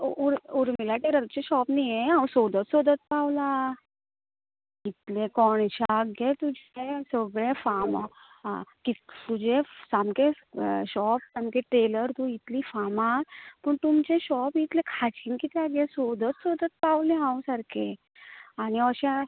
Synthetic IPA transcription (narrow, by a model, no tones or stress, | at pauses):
uɾuɾmilaʈeɾəɾt͡ɕeɕɔpnijeãwũsod̪ʱət̪sod̪ʱət̪̚pawla | it̪lekɔɽ̃ɕaɡjet̪ud͡ʑʱesəɡɭẽfama | ã̰kit̪ud͡ʑʱesamke | ɕɔpsamkẽʈɾeləɾt̪ũit̪liːfamapəɳt̪umt͡ɕeɕɔpit̪lekʰat͡ɕʰinkit̪ɛaɡjesod̪ʱət̪sod̪ʱət̪̚pawlẽɦãwsaɾkʰe | aniəɕa